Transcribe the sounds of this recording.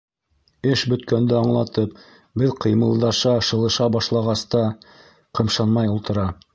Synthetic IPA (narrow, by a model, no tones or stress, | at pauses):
ɘʃbɵ̆t̪kænd̪ɘɑɴlˠɑt̪ɤp̚ | bɘðqɤ̆jmɤ̆lˠd̪ɑʃɑʃɤ̆lˠɤ̆ʃɑbɑʃlˠɑʁɑst̪ɑ | qɤ̆mʃɑnmɑjulˠt̪ɤ̆ɾɑ